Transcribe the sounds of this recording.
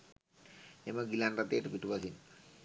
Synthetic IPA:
emɐɡilanrat̪eːʈupiʈupasin

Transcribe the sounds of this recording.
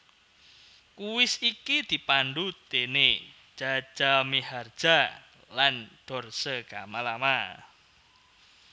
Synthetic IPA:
kuwɪsikid̪̥i̤panɖut̪ene̥ | d͡ʒ̥ḁʒ̥ameɦard̥ʒ̥a | lanɖ̪̥ɔ̤rsəɡ̥amalama

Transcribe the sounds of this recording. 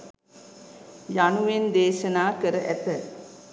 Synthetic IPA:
januʋend̪eːʃənaːkəɾəʔæt̪ə

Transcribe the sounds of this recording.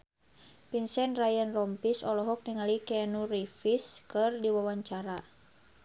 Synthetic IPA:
pinsɛnrajanrɔmpisɔlɔɦɔk̚niŋalikɛnurifiskɨrdiwawaɲt͡ʃaɾa

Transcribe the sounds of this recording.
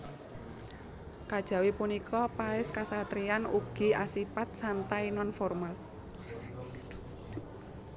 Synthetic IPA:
kad̥ʒ̥ä̤wipunikʰɔpaɪskasat̪ɾianuɡ̥i̤asipat̪̚sant̪ainɔnfɔrmal

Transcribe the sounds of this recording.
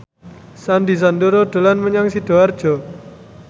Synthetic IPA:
sand̪is̬and̪uɾoɖ̪̥o̤lanməɲaŋsid̥ɔ̤ard̥ʒ̥ɔ̤

